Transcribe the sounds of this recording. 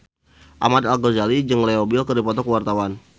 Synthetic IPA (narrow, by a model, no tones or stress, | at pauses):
ʔamad̪alɡozalid͡ʒɨŋleobɪlkədipɔt̪ɔkəwart̪awan